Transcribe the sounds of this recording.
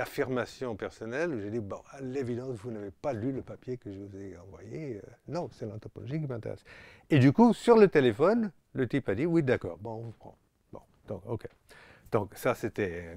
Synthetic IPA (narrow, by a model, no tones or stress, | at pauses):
afiʁmasjɔ̃pɛʁsɔnɛlʒed̪ibɔ̃alevid̪ɑ̃svunavepalyləpapjekəʒəvuzeɑ̃vwa̰jeønɔ̃sɛlɑ̃t̪ɔpɔlɔʒikimɛ̃t̪ḛʁɛ̰s | ed̪ykusyʁlət̪elefɔn | lət̪ipad̪iwid̪akɔ̰ːʁbɔ̃ɔ̃vupχɑ̰̃ | bɔ̰̃ | d̪̥ɔ̃ko̰ke | d̪̥ɔ̃ksaset̪ɛ